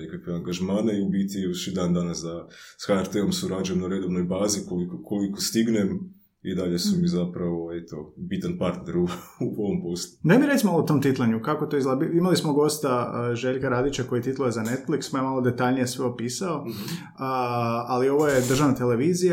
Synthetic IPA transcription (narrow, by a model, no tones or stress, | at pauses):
nekakʋeaŋɡaʒmaːneiubit̪iuʃid̪aːnd̪anasd̪asxaeɾt̪eomsuɾad͡ʒujemnaɾed̪oʋnojbaːzikolikokʰolikost̪iɡnem | id̪aʎesumizapɾaʋoet̪obit̪anpaɾt̪neɾuuoʋompo̞slˠud̪amiɾesʲmaloot̪omt̪it̪lˠaɲukakot̪oizlˠabiimalismoɡo̞st̪aʒeʎkaɾaːd̪it͡ʃako̞jit̪it̪lˠojezane̞t̪fliksmaemalˠo̞d̪e̞t̪aʎnije̞sʋeopiːsao | alio̞ʋoje̞d̪ɾr̩ʒaʋnat̪ele̞ʋiːzija